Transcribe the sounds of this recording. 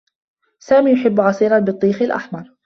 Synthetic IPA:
saːmiːjʊħɪbːʕɑsˤiːɾɑnbɨt̪ˤːiːxɪlʔa̰ħmɑɾˤ

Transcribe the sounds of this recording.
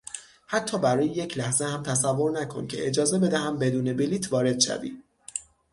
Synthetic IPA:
hæt̪ʰːɒːbæɾɒːjeje̞cʰlæhzehæmt̪ʰæsævːo̞ɾnækʰo̞̰ncʰe̞̰ʔed͡ʒɒːze̞be̞d̪æhæmbe̞d̪uːne̞biliːt̪ʰvɒːɾe̞d̪̥ʃæ̰vḭː

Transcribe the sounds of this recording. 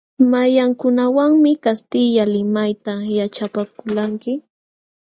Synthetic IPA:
majaŋkʊnawaŋmɪkast̪ɪʎalɪmajt̪ajat͡ʃapakʊlaŋkɪ

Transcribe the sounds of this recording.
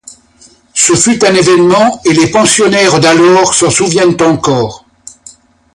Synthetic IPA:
səfyt̪ɛ̃nevɛnmɑ̃elepɑ̃sjɔnɛʁd̪alɔːʁsɑ̃suvjɛnt̪ɑ̃kɔːʁ

